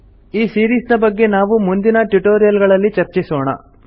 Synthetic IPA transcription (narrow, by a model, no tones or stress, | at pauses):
iːsiːɾiːsnɐbɐɡːe̞naːʋumund̪inɐʈuʈoːɾijɐlɡɐɭɐlːit͡ʃɐɾt͡ʃisoːɳɐ̰